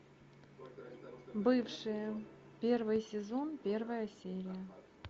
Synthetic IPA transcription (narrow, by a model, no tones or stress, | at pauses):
bɨfʂɨjə | pʲervɨjsʲɪzonpʲervəjəsʲeɾʲɪjə